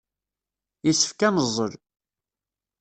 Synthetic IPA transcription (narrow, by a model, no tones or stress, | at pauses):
jisːə̥fkænəzˤːəɾ